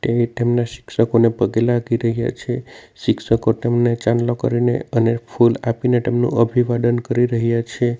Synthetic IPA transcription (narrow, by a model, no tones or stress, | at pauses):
ʈet̪emnaʃɪ̥kʃəkonepəɡelaɡʱiɾəɦija̰t͡ʃʰeʃɪkʃəkot̪emnet͡ʃanlokə̰ɾinḛənepʰulapinet̪emnṵ̃əbʱiʋad̪ənkəɾiɾəɦjat͡ʃʰe